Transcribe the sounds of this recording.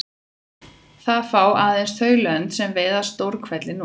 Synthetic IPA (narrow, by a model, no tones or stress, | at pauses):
θaðfaːwʔaːðejnsθœːɥlœnt̪sɛmvɛːðḁst̪owɾkʰvɛt̪lɪn